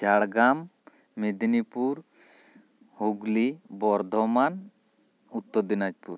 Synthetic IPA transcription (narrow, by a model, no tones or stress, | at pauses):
t͡ʃaɽɡamː | id̪nipuɾ | huɡlibɔɾd̪ʱɔman | ut̪ːɔɾd̪inad͡ʒpuɾ